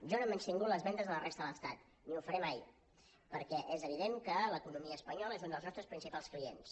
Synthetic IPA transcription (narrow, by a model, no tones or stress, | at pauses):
ʒɔnoemənst̪iŋɡut̪ləzβɛnd̪əzðələrest̪əðələst̪at̪ | niufəɾɛmaj | pəɾkɛʔezəβ̞iðeŋkələkunumiəːspəɲɔləezund̪əlznɔst̪ɾəspɾinsipalˠskliḛns